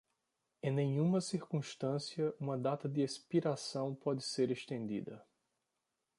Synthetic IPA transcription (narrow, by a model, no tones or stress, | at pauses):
ẽj̃nẽjũmɐsiɾkũʃt̪ɐ̃siɐʔũmɐd̪at̪ɐd̪ɪespiɾasɐ̃w̃pɔd̪ɪseɾeʃt̪ẽnd̪ḭd̪ɐ̰